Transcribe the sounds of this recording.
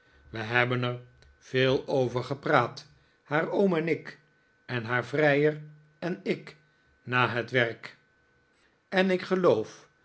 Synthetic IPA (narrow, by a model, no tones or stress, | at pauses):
ʋəɦɛbənɛɹ | v̥ɪːlˠowvəɹχəpraːt | haːɹowmɛnɪk | ɛnɦaːɹvrɛjər | ɛnɪk | naːɦətʋɛrk | ɛnɪkχəlowf